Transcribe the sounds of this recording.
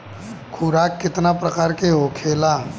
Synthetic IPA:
kʰuɾaːkːɪt̪napɾəkaːɾkeɦokʰeːla

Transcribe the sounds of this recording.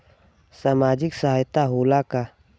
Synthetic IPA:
saːmaːd͡ʒɪksaɦaːjt̪aɦoːlaka

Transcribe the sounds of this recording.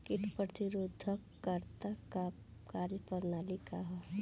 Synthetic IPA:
kɪʈpɾət̪iɾod̪ʱːəkː | əɾt̪aka | kaːlpəɾnaːlikaɦɛ

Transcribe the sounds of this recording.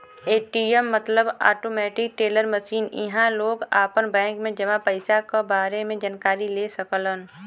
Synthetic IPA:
eːʈiːɛmːɐt̪ləba̰ːʈoːmɛːʈɪk̚ʈeːləɾməʃiːnɪ̰ɦãloːɡaːpənbɛ̃ːŋkmẽd͡ʒɐmãpəɪsakobaːɾemẽd͡ʒankaːɾileːsəklən

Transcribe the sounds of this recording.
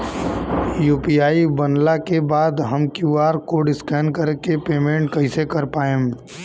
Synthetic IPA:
juːpiaːibənlakebaːd̪ɦəmkjuːaːɾkoɖɪskɛːnkəɾkepeːmẽːɳʈkɐɪsekɐɾpaːẽː

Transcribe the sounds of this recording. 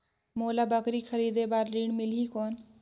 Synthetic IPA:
moːlabəkɾikʰəɾid̪ebaːɾliːɳmɪlikɔːn

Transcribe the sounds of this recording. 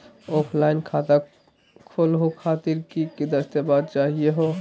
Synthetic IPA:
opʰlajnkʰat̪a | kʰolɦokʰat̪iɾkikid̪əst̪abad̪t͡ʃaɦieɦo

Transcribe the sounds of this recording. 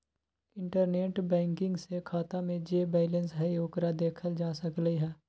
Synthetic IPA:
ɪ̃ɳʈəɾneːʈbɛ̃ːŋkɪ̃ŋɡsekʰaːt̪amẽd͡ʒeːbɛːlə̃nsɦɛijoːkɾad̪eːkʰəld͡ʒaːsəkleɦɛː

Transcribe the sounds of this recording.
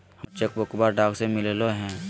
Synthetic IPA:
ht͡ʃekbəkbaːɾɖaːksemɪleloɦɛ̃ː

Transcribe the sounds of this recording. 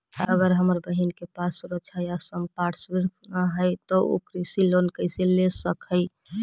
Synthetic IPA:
əɡəɾɦəməɾbəɦinkepasɾəd͡ʒʰajasəmpaʈʰsbiɾnaɦəjt̪ɔo̰kɾisilonkəɪselesəkəɪ

